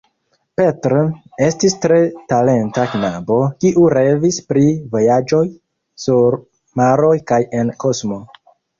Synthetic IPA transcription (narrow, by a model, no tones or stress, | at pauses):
pe̞tɾo | e̞stistɾe̞tale̞ntaknabo̞kiʔuɾe̞vispɾivo̞jad͡ʒo̞j | suɾ | maɾo̞jkaje̞nko̞smo̞